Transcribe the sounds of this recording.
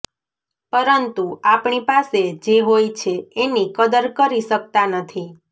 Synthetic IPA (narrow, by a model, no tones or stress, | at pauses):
pəɾənt̪uapɳipased͡ʒeɦojt͡ʃʰeːnikəd̪əɾkəɾisək̚t̪anət̪ʰi